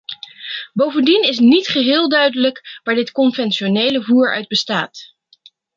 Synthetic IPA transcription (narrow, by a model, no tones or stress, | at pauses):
bowvəndinɪs̬nitχəɦɪːlˠdœɥdələkʋaːɹdɪtkɔnvɛnʃonejləvuːɹœ̰ɥd̚bəstaːt